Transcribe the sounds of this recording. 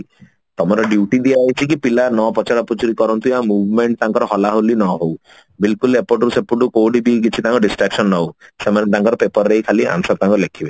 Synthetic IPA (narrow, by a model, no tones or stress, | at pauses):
t̪ɔmɔɾɔɖjuʈid̪iaːɦjt͡ʃʰikipilanɔpɔt͡ʃaɽɔpud͡ʒuɾikɔɾɔnt̪uamubʱmeɳʈt̪aŋkɔɾɔɦɔlaɦolinɔɦow | bilkulepoʈɾusepuɖukowɖibikit͡ʃʰit̪aŋkɔɖisʈɾaksɔnːɔwsemanet̪aŋkɔɾɔpepɔɾːejkʰaliʔa̰msɔt̪aŋkɔlekʰibe